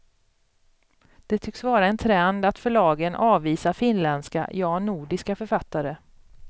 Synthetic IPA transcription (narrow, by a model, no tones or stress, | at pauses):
d̪̥ɛt̪ʰʏksvɑːɾaɛnt̪ʰɾɛnd̪at̪fœɭɑːɡənʔɑːviːsafɪnlɛnd̪ska̰jɑːnuːɖɪskafœɾfat̪ːaɾə